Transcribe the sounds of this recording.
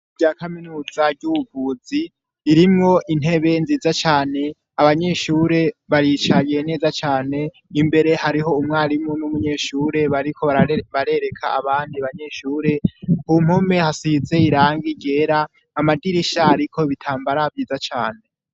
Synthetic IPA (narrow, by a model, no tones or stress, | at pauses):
bɟaːkaminuːzaɾɟuuvuːziː | ɾimŋo̞ʔin̥e̞βe̞nziːzat͡ʃaːne̞ | aβaɲe̞ʃuːɾe̞βaɾit͡ʃaɡiene̞ːzat͡ʃaːne̞ | imbe̞ɾe̞haɾiɦo̞umŋaːɾimŋonumuɲe̞ːʃuɾe̞βaɾikʰo̞βaβaɾe̞ɾe̞kʰa̰aβaːndiaβaɲe̞ʃuːɾe̞hum̥ho̞me̞hasize̞iɾaːŋɡiɟe̞ːɾaː | madiɾiʃaːɾikʰo̞βitʰaːmbaɾavɟiːzat͡ʃaːne̞